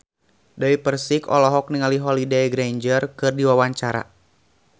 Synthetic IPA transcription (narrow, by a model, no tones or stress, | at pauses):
dawipərsikɔ̰lɔɦɔk̚niŋaliɦɔlidɛjɡɾeɲd͡ʒərkɨrdiwawaɲt͡ʃaɾa̰